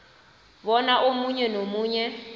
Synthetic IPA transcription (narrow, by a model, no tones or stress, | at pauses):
βɔnaʔomuɲɛnomuːɲɛ